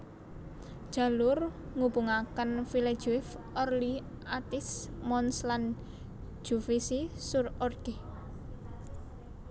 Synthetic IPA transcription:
d̥ʒ̥ä̤lʊrŋubuŋakənfile̥d͡ʒuɪfɔrli | ʔat̪ɪsmɔnslan | d͡ʒ̥ufisisurɔrɡ̥e

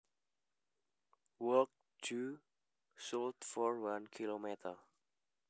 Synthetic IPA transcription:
wək̚ | tʰu | sɔltfɔɹwãnkʰilomɛtʰə

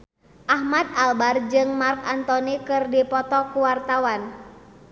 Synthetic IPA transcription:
ʔahmad̪̚albard͡ʒɨŋmarkant̪ɔnikɨrdipɔt̪ɔkuwart̪awan

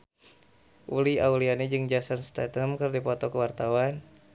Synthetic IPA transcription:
ʔuliaulianid͡ʒɨŋd͡ʒasanst̪at̪əmkərdipɔt̪ɔkəwart̪awan

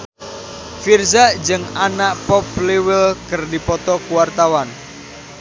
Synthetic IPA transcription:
firzaʔd͡ʒɨŋanaʔpɔplewɪlkərdipɔt̪ɔkuwart̪awan

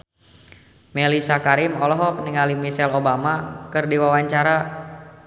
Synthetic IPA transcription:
mɛlisakaɾɪmɔlɔɦɔk̚niŋalimisɛlobamakɨrdiwawaɲt͡ʃaɾa

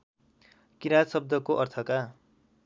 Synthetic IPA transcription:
kiɾasʌb̚d̪ʌkoʔʌrt̪ʰʌka

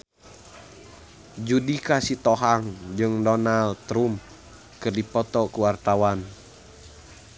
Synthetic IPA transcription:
d͡ʒudikasit̪ɔɦaŋd͡ʒɨŋdɔnalt̪ɾum | kɨrdipɔt̪ɔkuwart̪awan

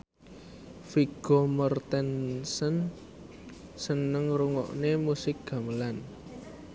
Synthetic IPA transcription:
fiɡ̥ɔ̤mərt̪ɛnsən | sənəŋruŋɔ̰ʔnemusɪk̚ɡ̥a̤məlan

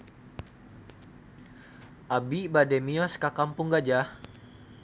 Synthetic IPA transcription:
ʔabibadɛmiɔskakampuŋɡad͡ʒah

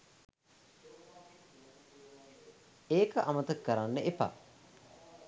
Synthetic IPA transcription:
eːkəʔamət̪əkːəɾanːəʔepa̰

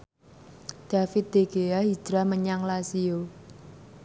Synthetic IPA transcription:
d̪̥a̤fɪt̪̚d̪̥e̤ɡ̥eaɦi̥d̥ɾaməɲaŋlasio

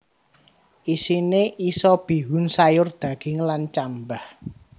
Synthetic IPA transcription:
ʔisineʔisɔb̥i̤wunsajʊrd̪̥ä̤ɡ̥ɪŋlant͡ʃambah

